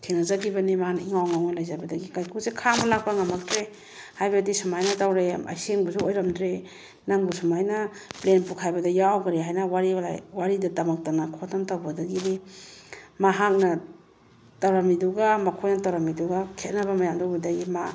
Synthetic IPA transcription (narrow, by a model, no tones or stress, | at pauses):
tʰeŋnazaɡibanimaniŋawŋawnalajzajbɐdaɡikajkʰusekʰamalak̚paŋamak̚dɾe | hajbɐdisumajnɐtawɾama̰jseŋbuzuojɾamdɾe | naŋbusumajnaplenpukʰajbɐdajawɡaɾiɦajnawaɾia̰waɾidɐtamak̚tanakʰɔtantawbadaɡiɾi | maɦak̚nɐ | taɾamiduɡamakʰojnɐtaɾamiduɡakʰet̚nabɐmajamdawbadaɡima